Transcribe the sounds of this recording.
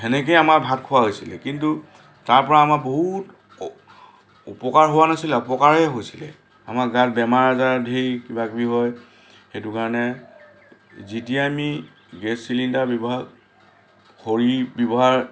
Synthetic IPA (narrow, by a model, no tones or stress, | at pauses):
ɛnɛkejamaɹbʱatkʰʊwaɦojsilɛkintu | taɹpɔɹaːmaboɦut | upɔkaɹɦowanasilɛɔpɔkaɹɛɦojsilɛ | amaɡatbɛmaɹazaɹdʱejkibakbiɦɔj | xetukaɹɔnɛ | zitijaːmi | ɡɛsːilindabɔbɔɦa | koɹibɔbɔɦaɹ